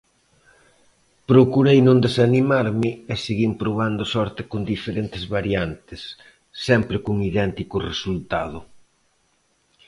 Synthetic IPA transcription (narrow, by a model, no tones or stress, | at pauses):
pɾokuɾejnõnd̪esanimaɾmɪeseɣimpɾoβ̞and̪ʊsɔɾt̪ɪkond̪ifeɾent̪ɪzβaɾjant̪ɪsː | ɛmpɾɪkuŋiðɛnt̪ikʊresult̪aðʊ